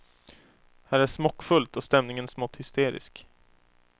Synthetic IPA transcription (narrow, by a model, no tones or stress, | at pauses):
hæːɾæʂmɔkːfɵlt̪ɔst̪ɛmnɪŋənsmɔt̪ːhʏst̪eːɾɪ̰sk